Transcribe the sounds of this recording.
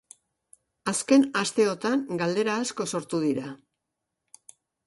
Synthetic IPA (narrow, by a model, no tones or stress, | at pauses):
aske̞nast̪e̞o̞t̪aŋɡald̪e̞ɾaːsko̞so̞ɾt̪uðiɾa